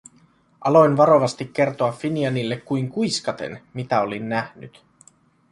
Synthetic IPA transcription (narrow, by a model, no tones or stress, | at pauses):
ʔɑlo̞jnʋɑɾo̞ʋɑst̪ikʲːe̞rt̪oɑfːiniɑnilːe̞kːujŋkujskɑt̪e̞̰nmit̪æo̞linːæhny̰t̪